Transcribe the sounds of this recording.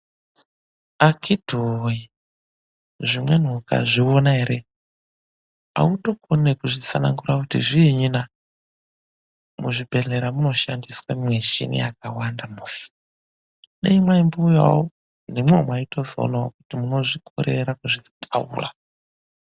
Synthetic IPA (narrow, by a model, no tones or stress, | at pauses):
akʰidʱoi | ʐimwe̞n̤uka̰ʐionaɦeɾe | a̰uto̞konekuʐit͡sanaŋɡurakutiʐieɲina | muʐibʱe̞ɮe̞ɾamuno̞ʃandiswaimweʒḭnḭja̰kawandamuːsi̥ | neimwaimbuuja̰wo | nimwomwaito̞zo̰naokutimuno̞ʐikʰo̰ɾeɾakuʐitʰa̰ṵːra̰